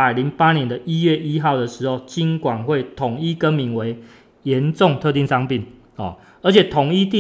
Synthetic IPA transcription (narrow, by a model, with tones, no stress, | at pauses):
a˨˩ɪli˨˧˦ŋpa˦njɛ˧˦nd̪ə˧ʔi˦˥jɥɛ˥˩ʔi˦xɑ˥˩ʊd̪ə˩ʂɻ̩˧˦ho˥˨˩ʊt͡ɕi˦nkwa˨˩nxwe˥˨ɪt̪ʰʊ˨˩ŋi˥˩kə˦nmi˧˥nwe˧˦ɪ | jɛ˨˦nʈ͡ʂʊ˥˨˧ŋt̪ʰɤ˥˧t̪i˥˨ŋsɑ˥˧ŋpi˥˩n | ɔ̰˨˩ | ə˞˧˦t͡ɕʰɛ˨˩t̪ʰʊ˨˩ŋi˥t̪i˥˨